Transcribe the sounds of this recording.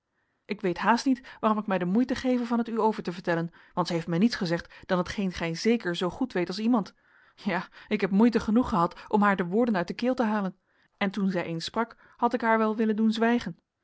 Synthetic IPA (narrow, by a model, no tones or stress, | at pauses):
ʔɪkʋejtɦaːstnitʋaːrɔmɪkmɛjdəmujtəχejvənvɑnətyowvəɹtəvəɹtɛlən | ʋɑntsɛɦejftmɛjnitsχəzɛχtd̥ɑnɦətχejnχɛjzejkəɹzowχutʋejtɑlˠs̬imɑnt | jaːɪkɦɛpmujtəχənuχəɦɑtʔɔmɦaːɹdəʋʊːɹdənœɥt̚dəkɪːlˠtəɦaːlən | ɛntunzɛjʔejnsprɑk | hɑtɪkɦaːɹʋɛlˠʋɪləndunzʋɛjχən